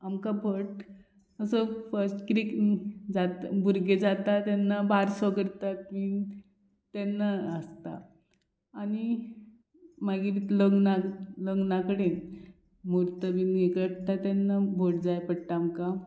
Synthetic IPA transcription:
amkabʱoʈ | əsəfəɾsʈkɾikd͡zat̪buɾɡed͡zat̪at̪ɛnːabaɾsəɡəɽt̪at̪mi | t̪ɛnːaəst̪a̰ː | ni | maɡiɾit̪ləŋɡnaləɡnakəɽen | muɾt̪əbinekəʈt̪at̪ɛnːabʱoʈ̚d͡zajpəɽʈaːmka

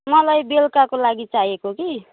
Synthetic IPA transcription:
mʌlajbelkakolaɡit͡saɦekoki

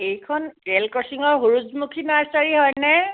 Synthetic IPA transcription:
ejkʰɔnɛlkɔsiŋɔɹɦuɹuzmukʰinaɹsaɹiɦɔjnɛ

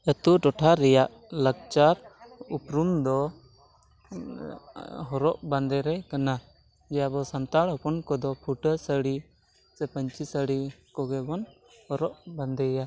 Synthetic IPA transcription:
ɛt̪uʈɔʈʰaɾɛjaʔ | ləɡ̚t͡ʃaɾupɾumd̪ɔ | ɦɔɾɔʔband̪ɛɾɛkana | d͡ʒɛjabɔsant̪aɽɦɔpɔnkɔd̪ɔpʰuʈəsəɽi | sɛpəɲt͡ʃisəɽikɔɡɛbɔn | hɔɾɔʔband̪ɛja

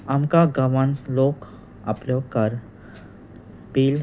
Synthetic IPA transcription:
ɐmkaɡəʋənloːk | ɐ̰plokəɾ | piːl

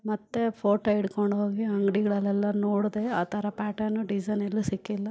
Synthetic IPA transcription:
mɐt̪ːe̞pʰoːʈɐiɽkoɳɖɦo̞ːɡiɐŋɡɽiɡɐɭɛlːɛlːɐnoːɽd̪e̞aːt̪ʰɐɾɐpaːʈɐɾnːuɖid͡ʒɐnelːusikːilːɐ

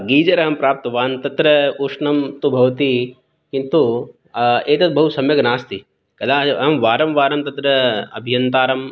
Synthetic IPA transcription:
ɡiːd͡ʒɐɾɐɦɐmpɾaːp̚t̪ɐʋaːnt̪ɐt̪ɾɐuʂɳɐmt̪ubʱɐʋɐt̪i | kint̪u | eːt̪ɐt̪bɐɦusɐmjɐɡnaːst̪i | kɐd̪ʱaːɐɦɐmʋaːɾɐmʋaːɾɐmt̪ɐt̪ɾɐɐ̰bʱijɐnt̪aːɾɐm

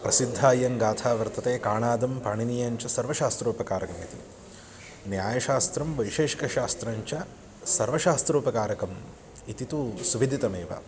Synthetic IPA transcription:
pɾɐsid̪ʱːaːjɐŋɡaːt̪ʰaːʋɐɾt̪ɐt̪eːkaːɳaːd̪ɐmpaːɳinijɐɲt͡ʃɐsɐɾʋɐʃaːst̪ɾuːpɐkaːɾɐkɐmit̪ḭ | njaːjɐʃaːst̪ɾɐmʋɐjʃeːʃi̥kɐʃaːst̪ɾɐɲt͡ʃɐ | sɐɾʋɐʃaːst̪ɾuːpɐkaːɾɐkɐm | it̪it̪usuʋid̪ʱit̪ɐmeːʋɐ̰

